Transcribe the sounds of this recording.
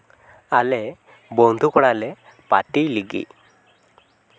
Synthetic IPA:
alɛ | bɔnd̪ʱukɔɽ̃alɛ | paʈijliɡḭ

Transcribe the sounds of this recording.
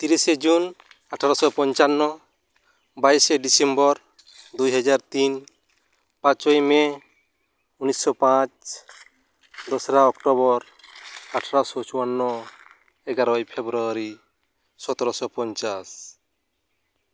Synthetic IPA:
t̪iɾised͡ʒun | aʈʰaɾɔsɔpɔnt͡ʃanːɔ | bajsɛɖisɛmbɔɾ | d̪ujɦad͡ʒaɾt̪iɲ | pãt͡ʃɔjme | unisːɔpãt͡ʃ | d̪ɔsɾaɔkʈɔbɔɾ | aʈʰaɾasɔt͡ʃuwanːɔ | ɛɡaɾɔjpʰebɾuaɾi | sɔt̪ɔɾɔsɔpɔnt͡ʃas

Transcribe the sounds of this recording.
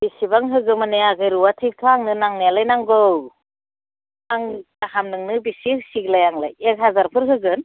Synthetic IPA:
bisibaŋɦɯɡɯmanɯaɡɯjɾuwatʰik̚tʰoaŋnɯnaŋnealajnaŋɡɯw | aŋ | ahamnɯŋnɯbisisiɡlajaŋla̰jek̚ɦazaɾpʰɯɾɦɯɡɯn

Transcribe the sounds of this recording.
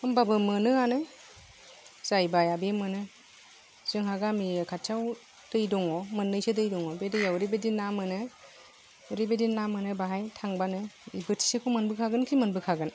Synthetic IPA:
ɯmbabɯmɯnɯanɯ | z̥ajbajabemɯnɯ | z̥ɯŋɦaɡamiɯkʰatʰaw | d̥ɯjdɔŋɔmɯnːɯjsedɯjdɔŋɔbedɯjawɾibedinːamɯnɯ | ɾibedinːamɯnɯbaɦajtʰaŋbanɯibɯtʰi̥sekʰɔmɯnbɯkʰaɡɯnkʰimɯnbɯkʰaɡɯn

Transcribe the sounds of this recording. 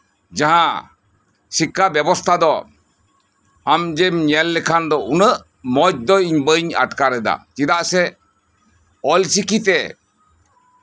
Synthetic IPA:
d͡ʒaɦã | sikːabɛbɔst̪ʰad̪ɔ | amd͡ʒemɲɛlːɛkʰand̪ɔunəʔ | mɔd͡ʒd̪ɔiɲbəɲa̰ʈkaɾɛd̪a̰t͡ʃid̪aʔsɛ | ɔlsikit̪ɛ

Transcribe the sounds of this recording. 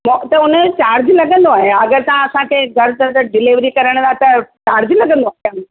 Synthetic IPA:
mt̪ɐʊnət͡ɕaːɾd͡ʑlɐɡə̃nd̪oaːɦeɐɡəɾt̪aãɐsãkʰeːɡʱɐɾt̪ɐd̪əɖɪlɪʋɾikɐɾəɽ̃t̪ʰat̪ɐt͡ɕaːɾd͡ʑlɐɡə̃nd̪oaːã

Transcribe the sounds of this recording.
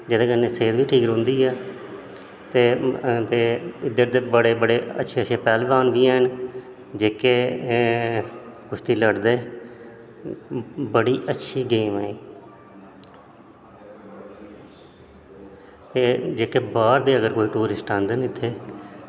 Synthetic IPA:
d͡ʒɪd̪eːkənːeːseːd̪ʋiːʈʰiːkɾʊ̃ːnd̪iːɛː | t̪eːt̪eːɪd̪əɾd̪eːbəɽeːbəɽeːə̰tːʃʰeːəʃʰeːpɛːlbaːnʋiːɛn | d͡ʒeːkeː | kʊʃt̪iːləɽd̪eː | bəɽiːʔətːʃʰiːɡeːmɛːiː | t̪eːd͡ʒeːkeːbaːɾd̪eːəɡəɾkoːiːʈuːɾɪsʈãːnd̪ənɪt̪ʰːeː

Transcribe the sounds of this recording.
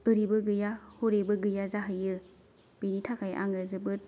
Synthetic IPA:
ɯɾibɯɡɯjahoɾebɯɡɯjazaɦɯjɯ | b̥enitʰakʰajʔa̰ŋɯzɯbɯt̚

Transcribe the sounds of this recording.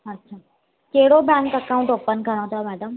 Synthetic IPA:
ətːɕʰaː | keɦɽobãŋkəkaũɳʈoːpːənɡʱəɽ̃õt̪ʰamæːɖəm

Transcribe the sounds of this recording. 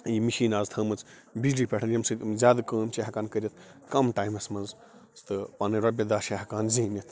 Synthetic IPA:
jimiʃiːnaːzt̪ʰɐmɐt͡s | bizɖipʲeʈʰɐnjɐmsɨzʲaːd̪kəːmt͡ʃeɦɐkaːnkəɾʲit̪ʰkɐmʈaːjmɐsmɐnz | st̪ɨpaːnɨɾɐbʲɐd̪aːʃeɦɐkaːnziːmit̪ʰ

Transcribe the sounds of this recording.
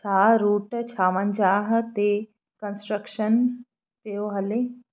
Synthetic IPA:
t͡ʃʰaːɾuːʈt͡ʃʰaːʋənd͡ʒaːɦt̪e | kənsʈɾəkʃən | peoɦɐle

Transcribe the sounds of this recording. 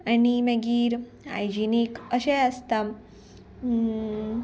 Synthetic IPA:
animẽɡiːɾ | a̰jd͡ʑinikəɕeəst̪am

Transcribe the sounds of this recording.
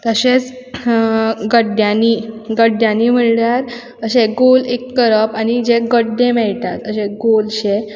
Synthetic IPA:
t̪əɕet͡s | ɡəɖjãniɡəɖjãnːim̤əɳljaɾ | əɕeɡolekːəɾəpanid͡ʑeɡəɖːẽmɛɭʈ̪at̪əɕeɡolɕe

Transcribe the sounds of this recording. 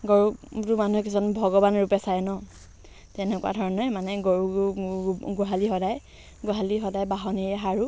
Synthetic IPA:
ɡoɹutʊmanuɦɛkisɔnbʱɔɡɔbanɹupɛsajɛnɔ | tɛnɛkuwa̰dʱɔɹɔnɔjmanɛɡoɹu | ɡɔɦalixɔdaj | ɡoɦaliɦɔdajbaɦɔniɹɛɦaɹu

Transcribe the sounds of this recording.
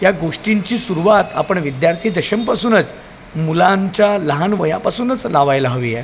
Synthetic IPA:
jaɡoʂʈiɲt͡ɕiːsuɾuʋat̪a̰pəɳʋid̪jaɾt̪ʰiːd̪əɕəmpasuːnət͡s | mulãɲt͡ɕjaləɦanʋəjapasuːnət͡slaʋajlaɦəʋijɛ

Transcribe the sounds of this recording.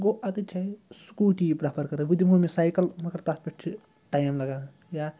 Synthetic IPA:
ɡoʔɐt̪ɨt͡ʃʰɐsu̥kuʈipɾapʰɐɾkɐɾebud̪imɡomesaːjkɐlmɐkɐɾt̪at̪̚pɐʈt͡ʃʰi | ʈaːjmlɐɡã | ja

